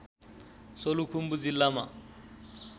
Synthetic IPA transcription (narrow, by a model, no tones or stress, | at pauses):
solukʰum̩bud͡zilama